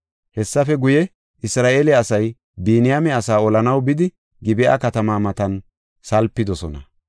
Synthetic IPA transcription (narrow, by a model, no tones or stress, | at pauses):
hɛsːɐfɛɡʊjɛ | ɪsɾaːʔeːlɛɐsɐj | biːnɪjamɛɐsaːɔlɐnɐwbɪd̪ɪ | ɡɪbɪʔa̰kɐt̪ɐmaːmɐt̪ɐn | sɐlpːɪd̪ɔsɔnɐ